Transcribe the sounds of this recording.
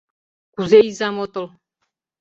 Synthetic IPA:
kuzejzamot̪olˠ

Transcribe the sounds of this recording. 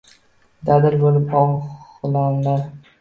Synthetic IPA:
d̪ad̪ɪɾbolɪpɒχlamlaɾ

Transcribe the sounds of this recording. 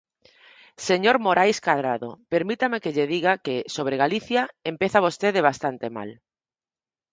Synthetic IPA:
seɲoɾmoɾʔajskaðɾaðo̰peɾmit̪amekeʎeðiɣakesoβ̞ɾeɣaliθjaempeθaβost̪eðeβ̞ast̪ant̪ema̰l

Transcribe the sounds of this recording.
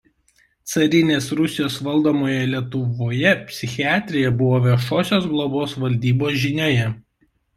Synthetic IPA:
t̪sɐɾʲɪnʲeːsɾʊsʲɪjoːsʋɐlˠd̪oːmoːjɛlʲiɛt̪ʊʋoːjɛpʲsʲɪxʲɪɑːt̪ʲɾʲɪjɛbʊʋoːʋʲiʃoːsʲoːsɡlˠoboːsʋɐlʲd̪ʲiːboːsʒʲɪnʲoːjɛ

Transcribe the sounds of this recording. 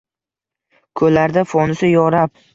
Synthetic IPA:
kʰɵlaɾd̪afɒnɪsɪjɒɾap̚

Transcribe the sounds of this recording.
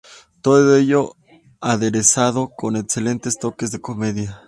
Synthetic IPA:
t̪oðeʝo̞ | aðe̞ɾesaðo̞ko̞ne̞kse̞le̞nt̪e̞st̪o̞ke̞zðe̞ko̞me̞ðja

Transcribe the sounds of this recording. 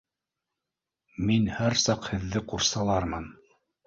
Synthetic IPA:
minhæɾsɑqhɘ̆ðːɘquɾsɑlˠɑɾmɤn

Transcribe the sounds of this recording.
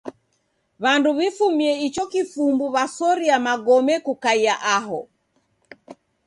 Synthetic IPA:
βanduβifumiɛit͡ʃɔkifumbuβasɔɾiamaɡɔmɛkukaiaʔaɦɔ

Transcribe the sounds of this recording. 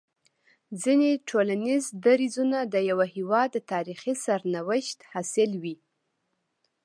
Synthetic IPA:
zineʈʰolanizd̪aɾizunad̪əjawahiwɑd̪ːət̪ɑɾixisaɾnawɪʃt̪hɑsɪlwi

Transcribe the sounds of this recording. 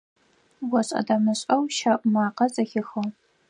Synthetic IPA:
wɐɕʼɐ̰daːmɨɕʼɐwʃaʔʷʼʊmaːqɐzɐxɪxɐw

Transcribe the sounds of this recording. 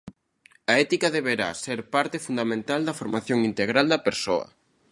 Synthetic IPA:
ɐɛt̪ikɐðeβeɾa̰seɾpaɾt̪efund̪amẽnt̪ald̪ɐfoɾmaθjoŋint̪eɣɾald̪ɐpeɾsoɐ̰

